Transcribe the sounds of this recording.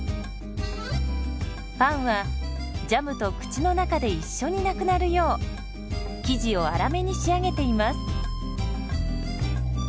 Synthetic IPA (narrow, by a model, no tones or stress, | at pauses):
pãɰ̃βa | d͡ʑamɯ̟t̪o̞kɯ̟̥t͡ɕino̞nakad̪e̞iɕːo̞ɲ̟inakɯ̟naɾɯ̟jo̞ː | kʲiʑio̞aɾame̞ɲ̟iɕiaɡe̞t̪e̞imasɨ̥